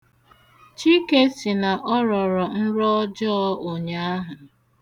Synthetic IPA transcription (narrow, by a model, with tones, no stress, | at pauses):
t͡ʃi˦ke˦si˨na˨ʔɔ˦ɾɔ˨ɾɔ˨n̩˦ɾɔ˦d͡ʒɔ˦o˨ɲa˨a˦ɦʊ˨